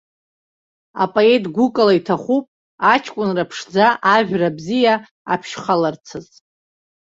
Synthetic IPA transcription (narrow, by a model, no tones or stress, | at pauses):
a̰pʼoe̞tʼɡʷukʼalaitʰaχʷupʼ | at͡ʃʰkʷʼʊnrapʰʂd͡zaʔaʒᶣrabzija | a̰pʰʃχalart͡sʰɨz